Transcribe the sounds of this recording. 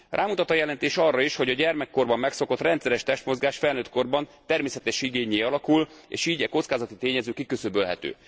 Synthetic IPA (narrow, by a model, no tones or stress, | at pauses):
rʔaːmut̪ɒt̪ɒjɛlɛnt̪eːʃɒrːɒiʃho̞ɟɒɟɛrmɛkːo̞rbɒmːɛkso̞ko̞t̪rɛnt̪sɛɾɛʃt̪ɛʃt̪mo̞zɡaːʃfɛlnøːt̪ko̞rbɒnt̪ɛrmeːsɛt̪ɛʃiɡeːɲeːɒlɒkulḛːʃiːɟɛko̞t̪skaːzɒt̪it̪eːɲɛzøːkikøsøbølɦɛ̰t̪ø̰ː